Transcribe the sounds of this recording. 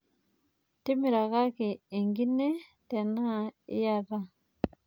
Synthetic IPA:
ti˦mi˨ɾa˨ɣa˦ki˨e˨ŋɡi˦nɛ˦tɛ˨na˦˨ḭ˦ja˦˨ɾa˦

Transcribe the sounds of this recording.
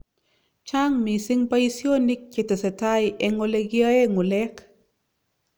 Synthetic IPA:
t͡ʃa˦ŋmi˨sɪ˦ŋpa˦i˦sjo˦ni˦k̚t͡ʃe˨te˨sɛ˨ta˦jʔe˨ŋo˧le˦ɡja˦e˦ŋo˨lɛ˦k

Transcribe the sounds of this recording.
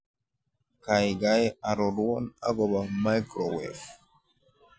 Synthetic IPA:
ka˨jɡajɛa˨ɾɔ˨ɾu˦wɔ˦na̰˦ɡɔ˨bama˦jkɾɔwɛ̰f

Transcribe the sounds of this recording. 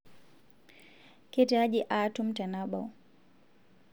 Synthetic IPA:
kɛtɛa˦d͡ʒiʔa˨tu˦m̩ta˨na˦ɓa̰˨w

